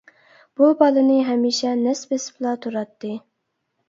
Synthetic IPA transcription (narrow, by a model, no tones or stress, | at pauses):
b̥ubɑlˠɨnɨɦɛmiʃɛnɛsbesplˠɑt̪ʰuɾɑt̪ːɨ